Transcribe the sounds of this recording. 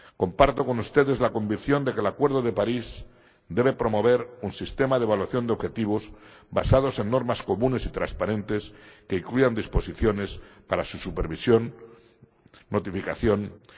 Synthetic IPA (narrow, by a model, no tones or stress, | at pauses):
ko̞mpaɾt̪o̞ko̞nust̪e̞ðe̞zlako̞mbikθjo̞nd̪e̞ke̞lakwe̞ɾð̞o̞ðe̞paɾiz | d̪e̞β̞e̞pɾo̞mo̞β̞e̞ɾunsist̪e̞maðeβalwaθjo̞nd̪eo̞βxe̞t̪iβ̞o̞zba̰sað̞o̞se̞nːo̞ɾmasko̞mũne̞sit̪ɾa̰spaɾẽ̞nt̪e̞ske̞iŋklujand̪ispo̞siθjo̞ne̞spaɾasusupe̞ɾβisjo̞n | ot̪ifika̰θjo̞n